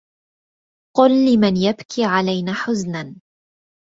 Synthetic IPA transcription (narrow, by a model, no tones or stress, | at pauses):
qʊlːɪmanjabkʰiːʕalajnaːħʊznan